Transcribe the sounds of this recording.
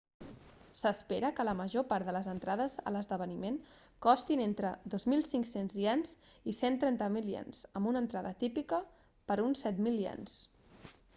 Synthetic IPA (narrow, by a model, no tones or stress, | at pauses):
səspeɾəkələməʒopaɾd̪ələzənt̪ɾaðəzə̰ləzðəβ̞ənimen | kɔst̪inent̪ɾəðozmilˠsiŋksenziɛnzisent̪ɾɛnt̪əmiliɛ̰nz̥əmbunənt̪ɾaðət̪ipikə | pəɾunsːɛt̪milˠjɛ̰ns